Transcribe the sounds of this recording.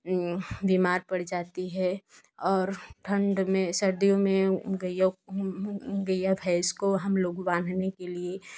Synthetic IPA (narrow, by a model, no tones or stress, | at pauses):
bimaːɾpəɽ̤d͡ʒaːt̪iɦɛ | ɔːɾʈʰə̃ɳɖmẽsəɾd̪ijõmẽɡəjo | ɡəjabʱɛɪskoɦɐmloːɡbãːnd̪ʱnekelie